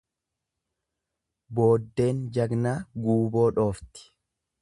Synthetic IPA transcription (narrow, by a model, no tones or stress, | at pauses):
bo̞ːd̪ːe̞ːnd͡ʒɐɡnaːɡuːbo̞ːᶑo̞ːft̪ɪ̥